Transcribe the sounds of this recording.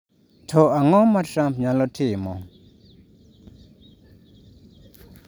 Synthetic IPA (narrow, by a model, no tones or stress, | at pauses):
t̪ʰoʔaŋomaʈ͡ʂapɲaloʈ͡ʂʰemo